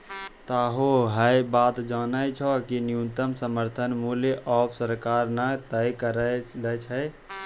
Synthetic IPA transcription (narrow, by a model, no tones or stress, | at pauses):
t̪aɦoɦəjbaːt̪d͡ʒaːnəjt͡ʃʰɔkinijunt̪əmsəməɾt̪ʰənmuljeʔɔbʰsəɾkaɾnat̪əjkəɾələt͡ʃʰə